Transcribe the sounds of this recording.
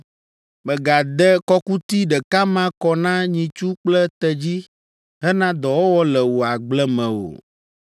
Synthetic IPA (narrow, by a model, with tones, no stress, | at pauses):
mɛ˨ɡa˨d̪ɛ˦kɔ˦ku˦t̪i˦ɖɛ˨ka˦mã˦kɔ˦nã˦ɲĩ˨t͡ʃu˦k͡plɛ˦t̪ɛ˨d͡ʑi˦ | ɦɛ˦nã˦d̪ɔ˨wo˦wɔ˦lɛ˨wo˨a˨ɡ͡blɛ˦mɛ̃˨wo̰˨